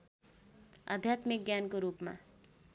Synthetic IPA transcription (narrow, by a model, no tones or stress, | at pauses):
ʌ̰d̪ʱjat̪mik̚ɡjankoɾupma̰